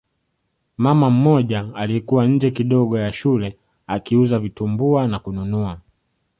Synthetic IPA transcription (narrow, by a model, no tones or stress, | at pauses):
mamam̩mɔʄaːlikuwaɲ̩d͡ʒɛkiɗɔɠɔjaʃulɛ | akiuzavitumbuanakununua